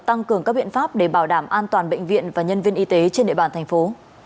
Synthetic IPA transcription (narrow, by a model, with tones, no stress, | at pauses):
t̪a˧ŋkɨ˨˩əŋkaː˦˥k̚ɓḭ˧˨ənfaː˦˥p̚ɗe˧˩ɓaː˧˩wɗaː˧˩mʔaː˧nt̪waː˨˩nɓə̰˧˨jŋ̟vḭ˧˨ənvaː˨˩ɲə˧nvi˧ənʔi˧t̪e˨˦t͡ɕe˧nɗḭ˧˨ɓaː˨˩nt̪ʰɛ˨˩ŋ̟fo˨˦